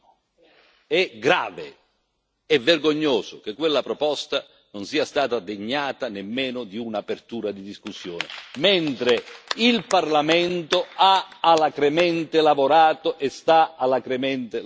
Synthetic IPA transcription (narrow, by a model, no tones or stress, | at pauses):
ɛɡɾaːve | ɛvːerɡoɲːoːsʊk̟ekːwelːapɾɔpɔst̪a | nʊnsiːast̪aːt̪ad̪eɲːaːt̪anemːeːnʊd̪iunapert̪uːɾad̪id̪iskusːjɔːnɪ̰ment̪ɾɪilparlamɛnt̪ʊaalakɾemɛnt̪ɪlavoɾaːt̪oʔɛst̪aalakɾemɛnt̪ɪ